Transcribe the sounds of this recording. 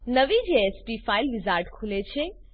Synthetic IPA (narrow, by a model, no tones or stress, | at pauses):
nəʋid͡ʒeespifailʋizaɾʈkʰulet͡ʃʰe